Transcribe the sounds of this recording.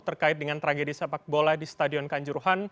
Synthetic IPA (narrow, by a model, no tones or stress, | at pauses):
t̪ərkaɪt̪̚dəŋant̪əɾaɡedisapak̚boladist̪adiɔnkaɲd͡ʒuɾuɦan